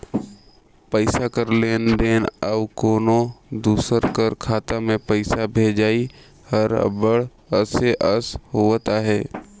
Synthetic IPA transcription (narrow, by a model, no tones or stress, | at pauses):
pəɪsakəɾleːnɖeːnəʋkoːnod̪uːsəɾkəɾkʰaːt̪amẽpəɪsabʱeːd͡ʒaːi | həɾ̰bəɽ | əseʔəsɦoːt̪aɦɛː